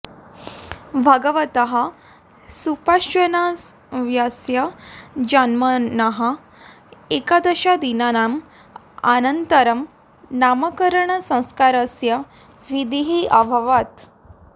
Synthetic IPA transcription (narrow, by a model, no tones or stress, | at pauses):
bʱaɡəʋət̪əɦa | supaɕʋəna | ʋjasjəd͡ʑanmənəɦa | ekad̪əɕad̪inanam | a̰nənt̪əɾəm | naməkəɾɳəsə̃w̃skaɾəsja | ʋid̪iɦiʔabʱəʋat̪